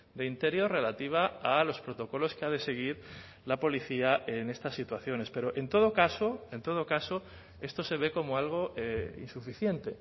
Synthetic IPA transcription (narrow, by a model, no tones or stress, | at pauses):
d̪e̞int̪e̞ɾjo̞re̞lat̪iβ̞aalo̞spɾo̞t̪o̞ko̞lo̞skeað̞e̞se̞ɣ̞iɾ | lapo̞liθiaʔe̞ne̞st̪asːit̪waθjo̞ne̞spe̞ɾoʔe̞nt̪o̞ð̞o̞kaso̞e̞nt̪o̞ð̞o̞kaso̞ | e̞st̪o̞se̞β̞e̞ko̞moalɣ̞o̞ḭnsufiθje̞nt̪e̞